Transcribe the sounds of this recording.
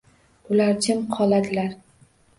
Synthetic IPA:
ʊlaɾt͡ʃʰɪmqʰɒlˠad̪ɪlaɾ

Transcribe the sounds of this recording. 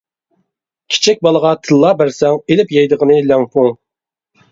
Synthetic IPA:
kʲʰi̥t͡ʃʰɛk̚ʲbɑlˠəʁɑt̪ʰɨlˠːɑbæɾsɛŋelɪpjɛjd̪əʁənɨlɛŋpʰuŋ

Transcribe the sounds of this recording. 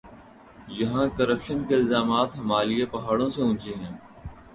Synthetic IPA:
jɐɦãːkəɾəpʃənkeɪlzaːmaːt̪ɦɐmaːliepɐɦaːɽõseʊ̃ːt͡ʃeɦɛ̃ː

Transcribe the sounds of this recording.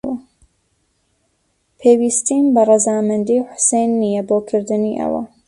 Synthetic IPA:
wɐ | pʰeːwiːst̪inbɐrˤɨzaːmɨnd̪iːħʊ̥sejnːijɛboːkʰɨɾd̪ɨniʔɐ̰wɐ̰

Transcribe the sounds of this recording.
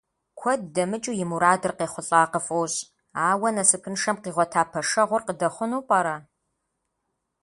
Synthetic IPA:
kʷʰɔddɐmɨt͡ʃʼujɪmuɾaːdɨrqeːχʷʊɬʼaːqəfowɕ | aːwɐnɐsɨpʰɨnʂɐmqiːʁʷɔtʰaːpʰɐʂɐʁʷʊrqədɐχʷʊnuːpʼɐɾa

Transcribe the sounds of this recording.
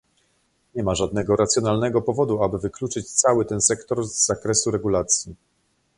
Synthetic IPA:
ɲɛmaʐad̪̚nɛɡɔɾat̪sjɔnalnɛɡɔpɔvɔd̪uabɘvɘklut͡ʂɘt͡ɕt̪sawɘt̪ɛnsɛkt̪ɔɾzːakɾɛsuɾɛɡulat̪sʲji

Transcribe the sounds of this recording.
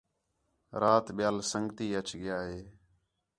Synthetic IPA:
ɾaːt̪ɓɪjaːlsəŋɡt̪iːət͡ʃɠɪjaːɦeː

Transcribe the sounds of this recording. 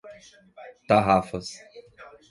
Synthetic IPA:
t̪aɦafəs

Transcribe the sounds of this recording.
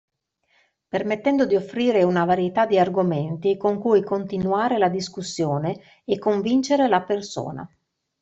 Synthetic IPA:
permet̪ːɛnd̪od̪iofːɾiːɾeunavaɾjet̪ad̪ːiarɡoment̪ikoŋkujkont̪inuaːɾelad̪iskusːjoːneː | kːoɱvint͡ʃeɾelaperso̰ːna̰

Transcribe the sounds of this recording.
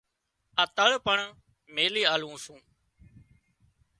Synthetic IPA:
ət̪əɭpəɳ | meːliːaːlũːsũː

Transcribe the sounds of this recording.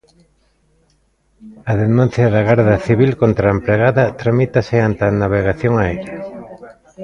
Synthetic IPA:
ɐðenũn̟θjɐðɐɣaɾðɐθiβ̞ilkont̪ɾaempɾeɣaðɐt̪ɾamit̪ɐsɪant̪anaβ̞eɣaθjoŋaejɾɐ

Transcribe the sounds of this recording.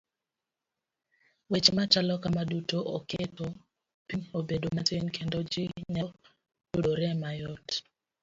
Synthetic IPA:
wet͡ʃmat͡ʃalɔkamadutoʔɔketɔ | piɲobedomatenkʰendɔd͡ʒiɲɔ | dodoɾɛmajɔt

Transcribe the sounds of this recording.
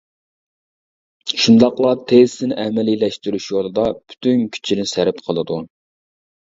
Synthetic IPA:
ʃund̪ɑqlˠɑt̪ʰez̥sɪnɪʔɛmɛlilɛʃt̪yɾyʃjolˠɨd̪ɑpʰy̥t̪ʰynkʲʰy̥t͡ʃʰinɪsæɾɪpqʰəlˠɨd̪u

